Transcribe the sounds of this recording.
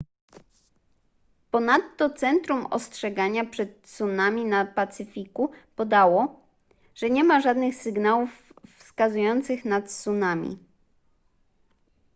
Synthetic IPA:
pɔnat̪ːɔt̪sɛnt̪ɾumɔ̰stʂɛɡaɲapʂɛt̪sunamʲinapat̪sɘfʲikupɔd̪awɔ | ʐ̥ɛɲɛmaʐad̪nɘxsɘɡnawufːskazujɔnt̪sɘxnat̪sunamʲḭ

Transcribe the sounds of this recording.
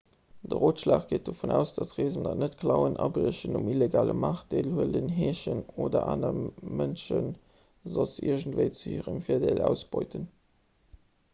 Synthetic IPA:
d̥əʁoːtʃlaːχɡ̥eɪt̚d̥ofunæːʊsd̥ɑsʁeːzəndɑtnətkʰlɑʊənʔɑbʁəɕənumileɡaːlə̰maːχd̥eːlhuələnɦeːɕənoːdɐ̰ʔaːnəmənʃən | zɑsiɐʒəntvəɪt͡suhiːʁəmfiːɐdelæʊsb̥ɔɪtən

